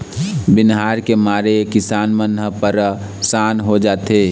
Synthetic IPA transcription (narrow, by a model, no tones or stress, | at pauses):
bɪnɦaːɾkemaːɾekɪsaːnmənʱəpəɾ | saːnɦod͡ʒaːt̪eː